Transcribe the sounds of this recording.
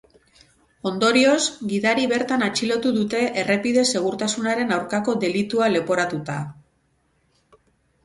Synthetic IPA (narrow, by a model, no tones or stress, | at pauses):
o̞nd̪o̞ɾio̞zɡiðaɾiβe̞ɾt̪anat͡ʃilo̞t̪uðut̪e̞ʔere̞pið̞e̞se̞ɣ̞uɾt̪asunaɾe̞nawɾkako̞ðe̞lit̪uale̞po̞ɾat̪ut̪a